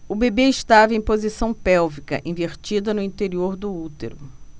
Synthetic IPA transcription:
ʊbebeɪʃt̪avɐẽj̃pozisɐ̃w̃pɛwvikɐ̰ʔĩveɾt͡ʃid̪ɐnʊĩt̪eɾioɾd̪ʊut̪ḛɾʊ

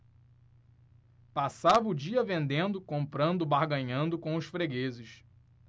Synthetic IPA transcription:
pasavɐʊd͡ʒiɐvẽnd̪ẽnd̪ʊkõmpɾɐ̃nd̪ʊbahɡɐ̃ɲɐ̃nd̪ʊkõw̃ʊʃfɾeɡezɪʃ

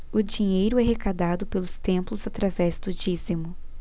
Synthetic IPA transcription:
ʊd͡ʒiɲejɾʊɛɦekad̪ad̪ʊpelʊst̪ẽmplʊzat̪ɾavɛzd̪ʊd͡ʒizimʊ

